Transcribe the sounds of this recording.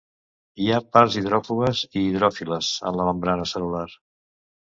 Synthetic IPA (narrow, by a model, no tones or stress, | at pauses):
iapaɾziðɾɔfuɣəziːðɾɔfiləzə̰nləβəmbɾanəsəlular